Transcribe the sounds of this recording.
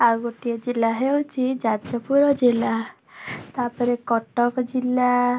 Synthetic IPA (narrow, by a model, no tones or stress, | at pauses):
aɡoʈiɔd͡ʒilaɦeõt͡ʃʰid͡ʒaɔpuɾɔd͡ʒela | t̪aɾpɔɾekɔʈɔkɔd͡ʒilːa